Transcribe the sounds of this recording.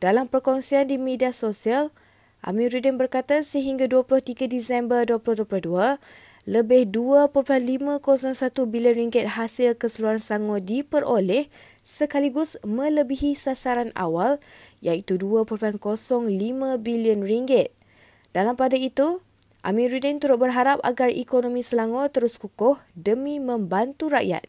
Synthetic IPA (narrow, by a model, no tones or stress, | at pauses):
d̥alampərkɔŋsiandimediasosial | ʔa̰mĩɾidənbərkat̪asəɦiŋɡaduaplʊht̪iɡadisɛmbərduaplʊhduaplʊhdua | ləbɪhduapəɾpuɦanlimãkosɔŋsat̪ubiliənriŋɡɪt̪̚hasɪlkəsəluɾanst̪aŋɔdipəɾʔolɛh | səkaliɡʊsmə̃ləbiɦisasaɾana̰waljait̪uduapəɾopuankosɔŋlimãbiliənriŋɡɪt̪̚ | d̥alampadait̪u | ʔa̰mĩɾidənt̪uɾʊt̪̚bərɦaɾapa̰ɡarḭkonõmĩsəlaŋot̪əɾʊskukʊhdəmĩmə̃mbant̪uɾa̰ʔja̰t̪̚